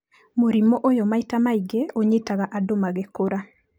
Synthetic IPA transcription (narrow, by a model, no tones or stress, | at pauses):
moɾimɔʔojɔmaitamaiɡeoɲetaɣaʔadomaɡekoɾa